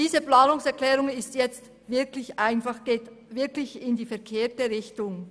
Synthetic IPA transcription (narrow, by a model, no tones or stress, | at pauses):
d̥iːzəplaːnʊŋsɛɐklɛːʁʊŋɪstjɛt͡st | vɪɐklɪçʔaɪnfɑχɡ̥eːt | vɪɐklɪçɪndiːfɛɐkʰeːtəʁɪçtʊŋ